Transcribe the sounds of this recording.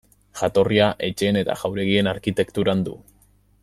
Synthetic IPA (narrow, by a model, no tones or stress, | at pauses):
ʝat̪o̞riaʔe̞t͡ʃe̞ːne̞t̪a̰ʝawɾe̞ɣ̞ie̞naɾkit̪e̞kt̪uɾand̪ṵ